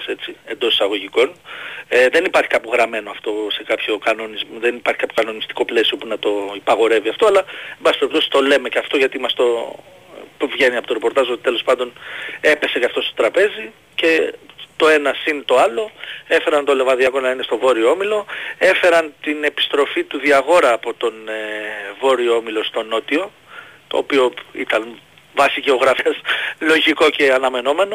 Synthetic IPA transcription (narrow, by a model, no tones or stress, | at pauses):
se̞t͡sie̞nd̪o̞si̥sɐɣo̞ʝiko̞neðe̞nipɐɾçi̥kɐpoɣɾɐme̞no̞ɐft̪o̞se̞kɐpço̞kɐno̞nizmðenipɐɾçi̥kɐpço̞kɐno̞nist̪i̥ko̞ple̞sio̞punɐt̪o̞ipɐɣo̞ɾe̞viɐft̪oɐlɐembɐssipeɾipt̪o̞si̥st̪o̞le̞me̞ceɐft̪oʝɐt̪imɐst̪o̞ | vʝe̞niɐpo̞t̪o̞ɾepo̞ɾt̪ɐzo̞t̪i̥t̪e̞lo̞spɐnd̪o̞ne̞pe̞se̞cɐft̪o̞st̪ot̪ɾɐpe̞zi | ce̞t̪o̞e̞nɐsinet̪o̞ɐloe̞fe̞ɾɐnt̪o̞le̞vɐðiɐko̞nɐine̞st̪o̞vo̞ɾioo̞milo̞e̞fe̞ɾɐnt̪ine̞pi̥st̪ɾo̞fit̪uðiɐɣo̞ɾɐːpo̞t̪o̞n | vo̞ɾioomilo̞st̪o̞no̞t̪io̞ | t̪o̞̰ːpio̞ḭt̪ɐn | vɐsiceo̞ɣɾɐfeslo̞ʝiko̞ce̞ɐnɐme̞no̞me̞no̞